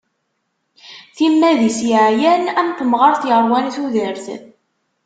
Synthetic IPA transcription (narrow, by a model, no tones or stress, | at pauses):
θimːæðisjʕjænæmθəmʁɑɾˤθjəɾˤwæniθuðəɾθə̰